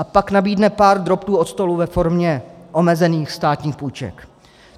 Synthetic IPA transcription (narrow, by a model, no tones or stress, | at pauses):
ʔapaknabiːdnɛpaːɾd̪ɾo̞pt̪uːo̞t̪st̪o̞luvɛfo̞ɾmɲɛʔo̞mɛzɛniːxst̪aːt̪ɲiːxpujt͡ʃɛ̰k